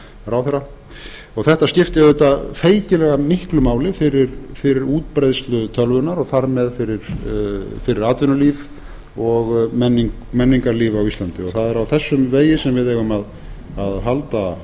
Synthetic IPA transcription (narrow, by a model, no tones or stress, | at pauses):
ɾawθɛra | ɔɣθɛht̪ascɪft̪ɛðet̪afeːjcɪlɛɣamɪhklʏmaːwlɪfɪɾɪɾfɪɾɪɾuːt̪pɾejðst̪lʏt̪ʰœlvʏnaɾɔɣθaɾmɛðfɪɾɪɾ̥ | fɪɾɪɾaːt̪vɪnʏliːv | ɔɣmɛnːiŋk | mɛnːiŋkaɾliːvaːwist̪lant̪ɪɔθaðɛɾawθɛsːʏmveːjɪsɛmvɪðevʏmað | aðɦalt̪a